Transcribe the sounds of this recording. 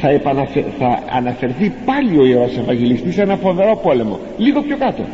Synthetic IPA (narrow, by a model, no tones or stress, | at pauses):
θɐepɐnɐfeθɐɐ̰nɐfe̞ɾθipɐlio̞iɾose̞vɐɲɟe̞list̪isenɐfo̞nðe̞ɾo̞po̞le̞mo̞̰ | liɣo̞pço̞kɐt̪o̞̰